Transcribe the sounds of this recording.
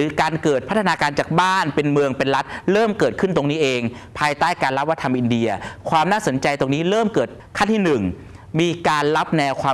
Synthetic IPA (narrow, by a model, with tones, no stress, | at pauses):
ɯː˩˦kaː˧nkɤː˨˩t̪̚ʰa˦˥t̪ʰːa˧naː˧kaː˧nt͡ɕaː˨˩k̚baː˥˩npe˧nmɯ˧əŋpe˧nɾa˦˥t̪̚ɾɤː˥˩mkɤː˨˩t̪̚kʰɯ˥˩nt̪o˧ŋniː˦˥ʔeː˧ŋpʰaː˧jt̪aː˥˩jkaː˧nla˦˥p̚wa˥t̪ʰa˧mʔi˧ndi˧ɐkʰwaː˧mnaː˥˩so˩˦nt͡ɕa˧jt̪o˧ŋniː˦˥ɾɤː˥˩mkɤː˨˩t̪̚kʰa˥˩nt̪ʰiː˥˩nɯ˨˩ŋ | miː˧kaː˧nla˦˥p̚nɛː˧wkʰwaː˧